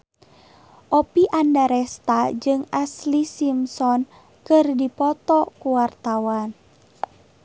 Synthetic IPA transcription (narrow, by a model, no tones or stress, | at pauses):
ʔɔpiʔandaɾɛst̪ad͡ʒɨŋaslisimsɔn | kɨrdipɔt̪ɔkuwart̪awan